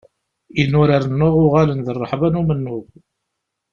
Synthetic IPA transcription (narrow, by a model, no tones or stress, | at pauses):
inʊɾaɾənːʊʁʊʁalənðərˤːəħvanumənːʊʁ